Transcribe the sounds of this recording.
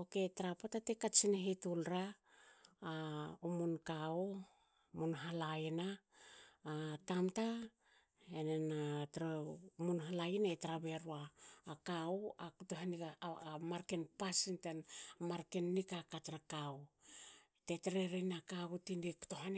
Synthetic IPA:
oke̞taɾapotatekat͡ʃineɦetulɾaː | umunkao | munɦalainaː | tamta | enenatɾamunɦalajinaetɾabe̞ɾuaːkauakutoɦaniamaɾkenpasintanmaɾkenːikakatɾakaw | teteɾeɾenakaɡutiniku̥toɦan

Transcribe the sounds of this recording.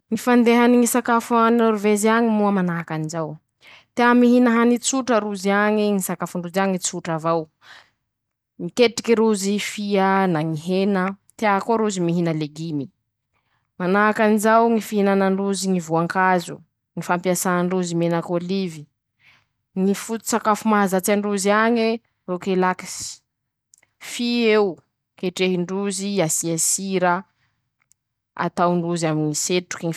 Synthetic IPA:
ŋifand̪eɦaniŋisakafanioɾuveziaɲimuəmanaɦakanizaw | t̪eamiɦinəɦanit͡suʈ͡ʂəɾuziaɲiŋisakafuɳɖ͡ʐuziaŋit͡suʈ͡ʂavaw | ŋikeʈ͡ʂi̥kiɾuzifiənaŋiɦenət̪eaɦakoɾuzimiɦinəleɡimi | manaakanizawŋifiɦinanaɳɖ͡ʐuziŋivuaŋkazṵ | ŋifampiasaaɳɖ͡ʐuzimenəkolivi | ŋifut̪u̥sakafumazat͡siaɳɖ͡ʐuziaɲe | rokelaki̥si̥ | fiew | keʈ͡ʂeɦiɳɖ͡ʐuziasiasiɾə | a̰t̪awɳɖ͡ʐuzaminiseʈ͡ʂu̥kiŋi

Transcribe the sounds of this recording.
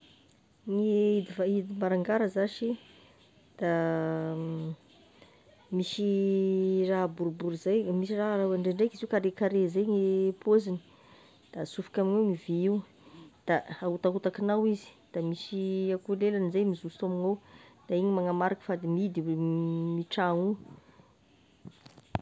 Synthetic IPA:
ŋeid̪ivaid̪imaɾaŋɡaɾəzaʃi | d̪̥a | misi | raɦbuɾbuɾizajmisiraraaɳɖ͡ʐeɳɖ͡ʐekiziwkaɾekaɾezajŋepʰozini̥ | d̪̥asufi̥kʲaminewmiviiw | d̪̥aaut̪aɦut̪akinawizi̥d̪̥amisiakulelanizajmizust̪aminawd̪̥aiɲimaŋamaɾakə̥fad̪imid̪imiʈ͡ʂaŋu

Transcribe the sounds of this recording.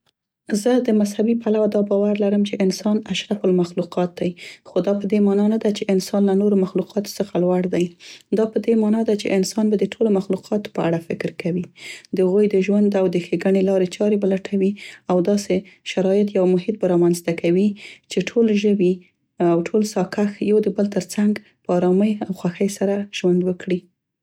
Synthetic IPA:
zəd̪əmashabipalawad̪ɑbɑwaɾlaɾəmt͡ʃeʔɪnsɑnaʃɾafʊlmaxluqɑt̪̚d̪ajxod̪ɑpəd̪emɑnɑnad̪at͡ʃeʔɪnsɑnlanoɾomaxluqʰɑt̪o̥səxalwaɽd̪ajd̪ɑpəd̪emɑnɑd̪at͡ʃḛʔɪnsɑnbad̪əʈʰolomaxluqʰɑt̪o̥pəaɽafɪkɾkawid̪̥əhaɣojd̪əʒwand̪awd̪əxeɡaɳelɑɾet͡ʃɑɾebalaʈʰawiawd̪ɑseʃaɾɑjɪt̪jawmʊɦɪt̪̚baɾɑmanzt̪akʰawit͡ʃeʈʰolʒəbi | awʈʰolsɑkaxjawd̪əbəlt̪əɾt͡saŋɡ | pəɑɾɑməjawxwaxəjsaɾaʒ̥wand̪wəkɽi

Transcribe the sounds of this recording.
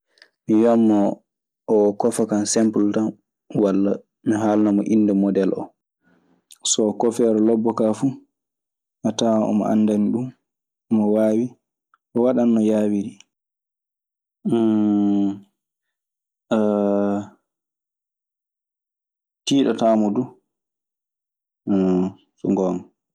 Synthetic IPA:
mijamːɔː | kɔfakansɛmpultan | walːa | miɦaːlunamɔʔinːdɛmɔdɛlʔɔ̰ | sɔːkɔfɛɾɔlɔbːɔkafu | ʔataɔ̰mɔ̰ʔa̰ndaniɗum | ɔmɔwaːwi | ʔɔwaɗanːɔjaːwiɾi | tiːɗɔtaːmɔdu | sɔŋɡɔm

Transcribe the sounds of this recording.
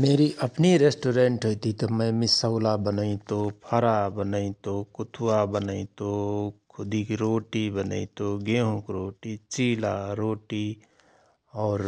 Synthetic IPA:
meːɾiʔəpniɾeːsʈoːɾẽːɳʈɦoit̪it̪omə̃mɪsəʊlabənəĩt̪opʰəɾabənəĩt̪okʊt̪ʰuwabənəĩt̪okʰʊd̪ikɾoːʈibənə̰it̪oɡeɦõkɾoːʈit͡ʃiːlaɾoːʈi | ɔːɾ

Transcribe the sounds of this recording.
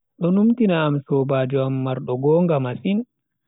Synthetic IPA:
ɗɔnumtinaːmsɔːbaːd͡ʒɔamːaɾɗɔɡɔːŋɡamasin

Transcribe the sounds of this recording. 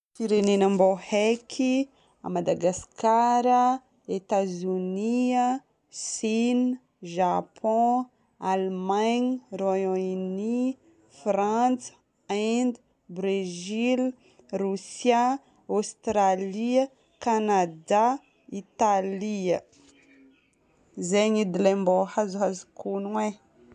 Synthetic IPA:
fiɾenenəmbohɛkʰi | a̰mad̪aɡaskaɾə | et̪azuniə | sin | ʒapʰɔ̃ | almaɲrojõini | frãt͡s | and̪ | bɾezil | rusja | ost̪ɾaliə | kanad̪a | it̪aliə | zeɲid̪ilembohazuɦazikunwe

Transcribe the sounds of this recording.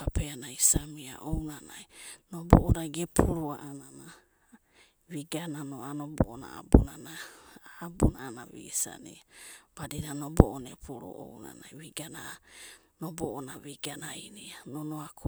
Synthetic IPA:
apeanaisamia̰ʔownanajnoboʔoɾaɡepʰuɾuaʔanana | wiɡananoanoboʔona̰a̰bunanaː | bunaːnaβḭsa̰niab̥adinanoboʔonepʰuɾo̰ʔowna̰najwiɡana | noboʔonaβiɡanainianonoak

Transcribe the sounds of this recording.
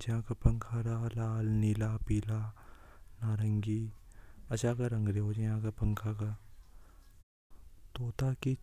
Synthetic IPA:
d͡ʒɦãkapɐŋkʰaːɾalaːlnilapiːlaː | naːɾɐŋɡi | ɐt͡ʃaːkaɾɐ̃ŋɡɾeɦod͡ʒaãːkapɐŋkʰaka | t̪oːt̪aki

